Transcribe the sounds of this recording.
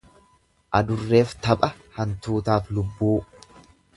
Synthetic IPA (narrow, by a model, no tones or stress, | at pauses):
ʔɐd̪ʊrːe̞ːft̪ɐpʼɐhɐnt̪uːt̪aːflʊbːuː